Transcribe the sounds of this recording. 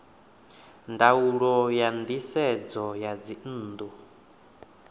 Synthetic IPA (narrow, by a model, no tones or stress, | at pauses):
ndauɺɔjand̪isɛd͡zɔjad͡zin̩ːd̪u